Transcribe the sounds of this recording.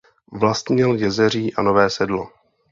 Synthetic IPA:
vlast̪mɲɛljɛzɛr̝iːʔanovɛːsɛdlo

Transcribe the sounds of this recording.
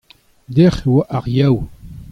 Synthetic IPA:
d̪ɛχewaʔaʁjaw

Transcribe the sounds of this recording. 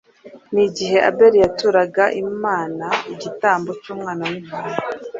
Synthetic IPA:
niɟiɦe̞ʔa̰be̞ɾijatuɾaɡaʔimaːnaiɟitaːmbo̞t͡ʃuːmŋaːnawimuːmu

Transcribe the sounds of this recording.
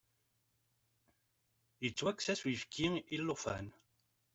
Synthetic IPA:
it͡sːwæksæswifkʰiilːʊfæ̰n

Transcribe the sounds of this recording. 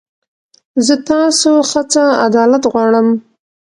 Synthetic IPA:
zət̪ɑsoxat͡saa̰d̪ɑlat̪ɣwɑɽəm

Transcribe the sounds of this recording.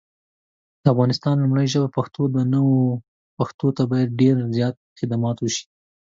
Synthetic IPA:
d̪̥əafɣɑnɪst̪ɑnlʊmɽəjʒəbapaxt̪od̪ənəwo | paxt̪ot̪abɑjad̪̚ɖeɾzjɑt̪̚xɪd̪amɑt̪wəʃi̥

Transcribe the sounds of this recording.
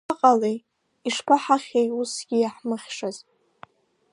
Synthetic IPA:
aqʼalej | iʂpʷʰaħaχʲejusɡʲɪjaħmɨχʲʂaz

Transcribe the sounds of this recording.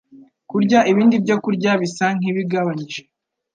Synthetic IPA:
kuɾɟaʔiβiːndibɟokuɾɟaβisaŋ̥iβiɡaβaɲiʒe

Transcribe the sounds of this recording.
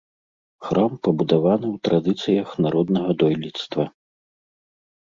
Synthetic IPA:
xɾampɐbud̪avanɨwt̪ɾad̪ɨt̪sɨjɐxnaɾɔd̪nɐɣɐd̪ɔjlʲit̪st̪vɐ

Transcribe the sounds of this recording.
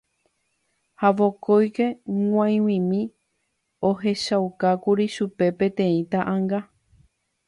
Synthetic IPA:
haʋo̞kojke̞ŋʷãj̃wĩmĩ | oɦe̞ʃaukakuɾiʃupe̞pẽ̞t̪ẽ̞ĩt̪aʔãŋɡa

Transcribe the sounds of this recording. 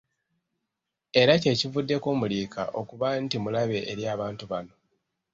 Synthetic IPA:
e̞ɾace̞ːcivudːe̞ko̞ːmuliːka̰ʔo̞kuβantimulaβe̞ʔːɾjaːβaːntuβano̞

